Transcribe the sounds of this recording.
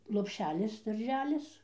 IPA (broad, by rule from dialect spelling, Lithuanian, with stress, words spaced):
lˠoːpʲˈʃʲæːlʲɪs dɐrʲˈʒʲæːlʲɪs